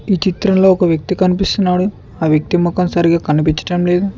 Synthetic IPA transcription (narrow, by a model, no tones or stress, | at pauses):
iːt͡ʃit̪ɾɐmlo̞ːɔkɐʋjɐk̚t̪ikɐnipist̪unːaːɽu | aːʋjɐk̚t̪imɔkɐmsɐɾiɡaːkɐnipiɲt͡ʃɐ̥ʈɐmle̞ːd̪u